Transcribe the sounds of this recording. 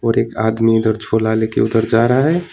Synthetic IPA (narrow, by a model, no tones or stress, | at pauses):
ɔːɾeːka̰ːd̪miʊd̪əɾd͡ʒʱoːlaːlekḛʊd̪əɾd͡ʒaːɾəɦaɦɛ